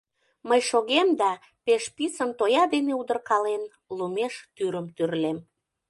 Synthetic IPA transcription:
məjʃoɣemd̪ɑ | peʃpisənt̪ojɑd̪eneud̪ərkɑlen | lumeʃt̪yɾəmt̪yrlem

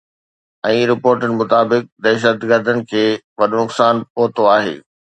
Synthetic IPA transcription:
ɛ̃ːɾɪpoːɾʈənɪ̆mʊt̪aːbɪk̚d̪ɛːʃ̬ət̪ɡəɾd̪ʱənɪ̆kʰeː | ʋɐɗʊnʊksaːnpoːt̪oaːɦḛː

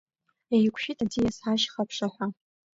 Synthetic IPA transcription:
ajkʷʰʃᶣitʼad͡zijasħaʃχapʰʂaħʷa

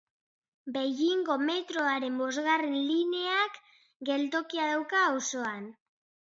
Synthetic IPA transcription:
be̞jiŋɡo̞me̞t̪ɾo̞aɾe̞mbo̞zɣarenline̞ak | ɡe̞lt̪o̞kiað̞awkaːwso̞an

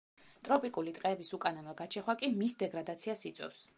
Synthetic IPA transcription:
t̪ʼɾɔpʼikʼulit̪ʼqʼɛːbisukʼanɔnɔɡat͡ʃʰɛχwakʼimisd̪ɛɡɾad̪at̪sʰiasit̪sʼwɛ̰fs

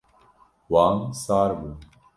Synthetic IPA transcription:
waːŋsaːɾbu

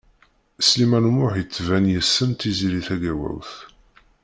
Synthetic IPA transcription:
slimænmʊħjət͡sːvænjəsːəmt̪iziɾiθæɡæwæ̰wθ

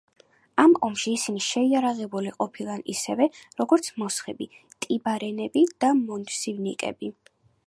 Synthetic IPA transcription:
amɔmʃiːsiniʃɛiaɾaʁɛbuliqʼɔpʰilˠanḭsɛvɛɾɔɡɔɾt̪sʰmɔsχɛbit̪ʼibaɾɛnɛbid̪̥amɔnd̪sivnikʼɛ̰bi

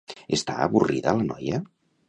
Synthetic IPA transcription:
əst̪a̰əβuriðələnɔjə

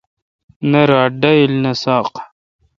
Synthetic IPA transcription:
nɐɾaːɖɐilnɐsaːq

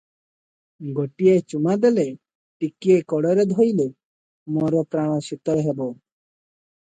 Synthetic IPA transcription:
ɡoʈiet͡ʃumad̪ele | ʈikiekɔɽɔɾed̪ʱɔjle | mɔɾɔpɾaɽ̃ɔʃit̪ɔɦebɔ

